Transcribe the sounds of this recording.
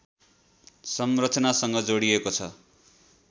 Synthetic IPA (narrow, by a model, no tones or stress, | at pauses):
sʌmrʌt͡sʰʌnasʌŋɡʌd͡zoɽiekot͡sʰʌ